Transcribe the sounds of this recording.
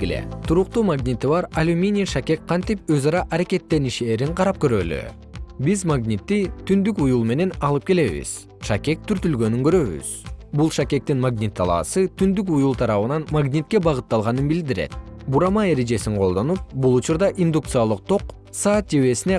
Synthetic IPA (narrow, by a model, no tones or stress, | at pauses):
ilḛt̪ʰuɾuq̚t̪uːmaɡnʲit̪iβɑɾɐlʲumʲinʲijʃakʲe̞k̚qʰɑnt̪ipøzɑɾɑʔɑɾakʲe̞t̪ːe̞niʃe̞ːɾiɴqʰɑɾɑp̚køɾø̞ly̰ | bizmaɡnʲit̪ːit̪ʰynd̪ykujulˠme̞ne̞nɑlˠɯp̚ke̞le̞βḭz̥ | ʃakʲe̞k̚t̪ʰyɾt̪ylɡø̞nyŋɡø̞ɾø̞βy̰z̥bulˠʃakʲe̞k̚t̪inmaɡnʲit̪ʰːɑ̰lˠɑ̰sɯt̪ʰynd̪yk̬ujulˠt̪ʰɑɾɑβɯnɑnmaɡnʲit̪̚ke̞bɑʁɯt̪ːɑlˠʁɑnɯnbild̪iɾe̞̰t̪̚buɾɑmɑe̞ɾe̞d͡ʒe̞siɴqʰo̞lˠd̪o̞nup̚bulˠut͡ʃuɾd̪ɑʔind̪ukt̪sɨjalˠɯq̚t̪ʰo̞q | sɑːt̪̚d͡ʒeβe̞sine